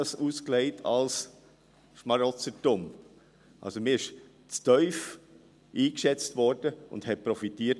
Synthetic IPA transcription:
əsuːskleɪtʰɑ̰ls | ʃmɑɾɔt͡sətʊm | ʔɑ̰lsomɪɪʃ | t͡stœʏf | ʔiːkʃɛt͡stvɔɾdəʊ̰nd̥hɛpɾɔfitiːət

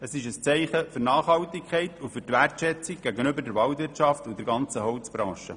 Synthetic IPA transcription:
əsɪʃəst͡sɛɪχəfʏɾnɑːχhɑwtɪkkχɛɪt̪ʰufʏɾtʋærtʃɛt͡sɪkɡ̥æɡənʏbəɾdɛɾʋɑwtʋɪɾtt͡ʃɑftud̥ɛɾɡɑnt͡səɦɔʊt͡sb̥ɾɑ̰̃ːʃə̰

